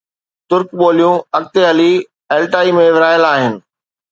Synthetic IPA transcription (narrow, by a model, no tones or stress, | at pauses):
t̪ʊɾkɓoːlijũɐk̚t̪eɦɐli | eːlʈaːimẽʋɪɾaːjəlaːɦɪnɪ̆